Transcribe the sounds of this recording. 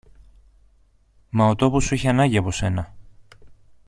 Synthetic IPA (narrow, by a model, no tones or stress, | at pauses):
mɐot̪o̞posuiçeɐnɐɟiɐpo̞se̞nɐ